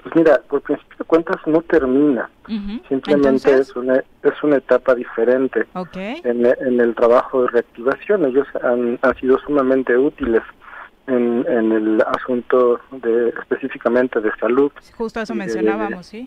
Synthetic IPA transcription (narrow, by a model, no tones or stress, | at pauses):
pwezmiɾapo̞ɾpɾinsi̥pjo̞ðekwe̞nt̪azno̞t̪e̞ɾmĩnasimple̞mẽnt̪e̞esuna | esunaet̪apaðife̞ɾe̞nt̪e̞ː | nːne̞lt̪ɾaβaxo̞ðereak̚t̪iβasjo̞neʝo̞sanansið̞o̞sumamẽnt̪e̞ut̪ile̞s | enenelasunt̪o̞ðeːspe̞sifikamẽnt̪e̞ðe̞saluð | iðe